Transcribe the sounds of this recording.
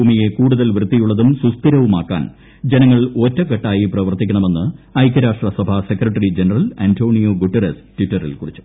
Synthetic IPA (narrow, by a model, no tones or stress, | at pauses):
uːmije̞kuːɽuðɐlʋrɨt̪ːijuɭːɐðumsust̪iɾɐʋuma̰ːkːa̰ːn | d͡ʑe̞nɐŋːɐɭo̞ːtːɐkːɐʈːaːjiprɐʋɐrt̪ːikʲːɐɳɐme̞nːɨɐjk̬ːɐɾaːʂʈrɐsɐbʱɐse̞kɾɐʈːɐrid͡ʑenɐrɐlantʰo̞ːɳijoːɡuʈːerestwitːɐrḭlkuɽit͡ɕːu̥